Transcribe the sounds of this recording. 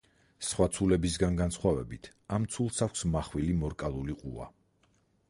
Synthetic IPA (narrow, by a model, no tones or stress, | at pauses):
sχwat̪sʰulɛbis̬ɡanɡansχwavɛbit̪ʰamt̪sʰulˠsakʷʰsmaχwilimɔɾkʼalˠuliqʼṵa̰